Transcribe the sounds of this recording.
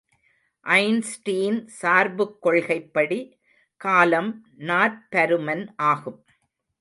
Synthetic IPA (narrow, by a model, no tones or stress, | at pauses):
ʔɐɪnsʈiːnsaːɾbɯkːɔɭɣɐɪpːɐɽi | kaːlɐm | naːɾpɐɾɯmɐnʔaːɣɯm